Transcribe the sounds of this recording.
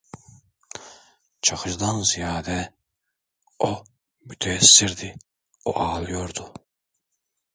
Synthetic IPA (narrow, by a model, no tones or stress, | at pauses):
t͡ʃʰaxɯʒd̪anzijaːd̪ɛ | o | myt̪ʰɛːsːiɾd̪i | o̰ʔɑːlˠɯjoɾd̪u